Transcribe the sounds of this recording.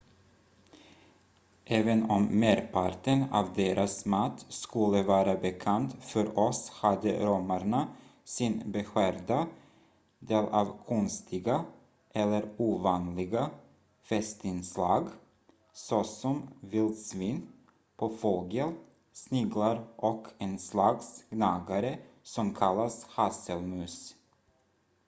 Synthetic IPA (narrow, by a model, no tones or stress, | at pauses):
ʔɛːvənɔmːeːɾpʰaɾʈənɑ̰ːvd̪eːɾʔasmat̪ːskɵlːəvɑːɾabɛkʰant̪fœɾɔshad̪ə̰ɾɔmaɾɳasɪnbɛɧæːɾd̪a | d̪eːlɑːvkʰɔnst̪ʰɪɡa | ʔɛlːəɾuːvɑːnlɪɡa | fɛst̪ɪnslɑːɡ | sɔsɔmvɪlsviːn | pʰɔfɔlɡəl | snɪɡlaɾʔɔkʰɛnslaksɡnaːɡaɾəsɔmkʰalːashasəlmʉ̟ːs